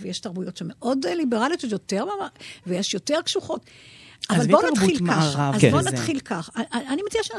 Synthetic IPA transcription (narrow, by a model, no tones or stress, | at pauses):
vejeʃtaʁbujo̞tʃemeʔo̞dlibeʁaliototjoteʁmamavejeʃjo̞te̞ʁkʃuχo̞tavalbonnatχilkaʁavazkbonat̪χilkaχaaanimet͡sieʃen